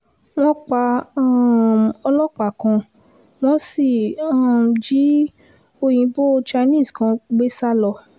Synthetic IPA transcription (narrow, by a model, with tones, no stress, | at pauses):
w̃ɔ̃˦k͡pa˧a˦˨ɔ˧lɔ˦k͡pa˨kã˧ | w̃ɔ̃˦si˦˨a˦˨d͡ʒi˨˦ | o˧jĩ˨˧˦bo˦˧t͡ʃa˧nĩ˦˨skã˧˦ɡ͡be˦sa˦lɔ˧